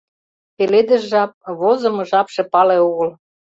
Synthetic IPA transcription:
peled̪ə̆ʒʒɑp̚βozɤ̆mɤ̆ʒɑpʃĕpɑleoɣəl

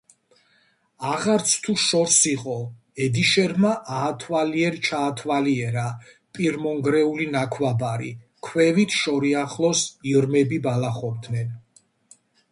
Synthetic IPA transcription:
aʁaɾt̪sʰt̪ʰuʃɔɾsiqʼɔ | ɛd̪iʃɛɾmaʔaːt̪ʰwaliɛɾt͡ʃʰaːt̪ʰwaliɛɾa | pʼiɾmɔŋɡɾɛulinakʰwabaɾḭ | kʰwɛvit̪ʰʃɔɾiaχlɔsiɾmɛbibalaχɔbd̪nɛn

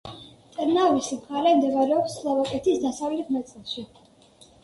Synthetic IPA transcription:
t̪ʼɛɾnavismχaɾɛmd̪ɛvaɾɛɔpslˠavakʼɛt̪ʰisd̪asavlɛt̪ʰnat̪sʼlˠʃi

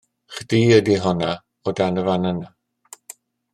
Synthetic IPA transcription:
χd̥iːədiɦɔna | ɔdanəvanana

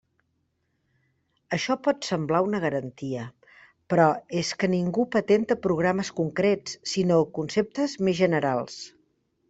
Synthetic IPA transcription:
əʃɔpɔt̪səmblaunəɣ̞əɾənt̪iə | pɾɔeskəniŋɡupət̪ent̪əpɾuɣ̞ɾaməskuŋkɾett͡ssinokunsep̚t̪əzmezʒənəɾalˠs

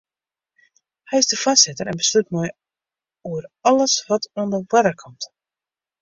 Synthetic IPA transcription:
hɛjɪzdəfasɪtəɾɛnbəslyt̚moj | uərɑləsʋɑtʰɔndəwɛdərkʰɔmt

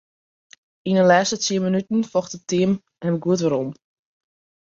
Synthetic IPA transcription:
inəlɛːstət͡siəmənytn̩fɔxtəp̚tiəm | ɛnəɡuətʋəɾɔm

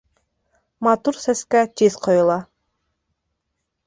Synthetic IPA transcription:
mat̪uɾsɛskæt͡ʃisqʰojulˠɑ

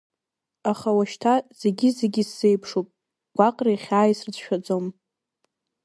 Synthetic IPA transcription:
aχawaʃtʰaz̥e̞ɡʲize̞ɡʲisːejpʰʂopʼ | ɡ̥ʷaqʼrajχʲaːisrɨt͡sʰʼʃᶣad͡zʼom

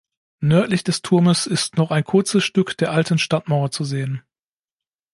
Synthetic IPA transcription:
nœɐtlɪçd̥ɛstʰʊɐməsɪstnɔχaɪnkʰʊɐt͡səsʃtʏkd̥eːɐʔaltn̩ʃtatmaʊɐt͡suzeːən

